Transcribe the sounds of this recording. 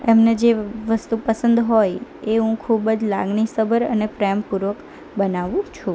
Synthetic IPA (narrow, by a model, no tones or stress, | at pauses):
emned͡ʒeʋəst̪upəsənd̪ɦojeɦũkʰubəd͡ʒla̰ɡɳisəbəɾə̰nepɾɛmpuɾʋək | bənaʋũt͡ʃʰũ